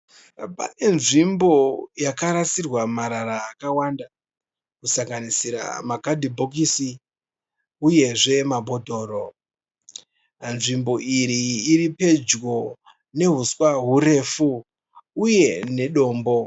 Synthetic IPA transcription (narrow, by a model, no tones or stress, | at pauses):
pa̰ne̞nʐimbo̞jakaɾasirwamaɾaɾaːkawanda | kusaŋɡanisiɾa̰makadʱibʱok̬isi | uje̞ʐe̞mabʱo̞dʱo̞ːɾo̞ | nʐimbo̞ʔiɾiːɾipe̞d͡ʒɡo̞ | ne̞ɦuswaɦuɾe̞fu | uje̞ne̞ɗo̞ːmbo̞